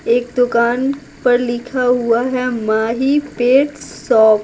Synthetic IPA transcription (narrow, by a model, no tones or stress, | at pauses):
eːk̚d̪ʊkaːn | pɐɾlɪkʰaɦuaɦɛmaːɦipeːʈsɔːk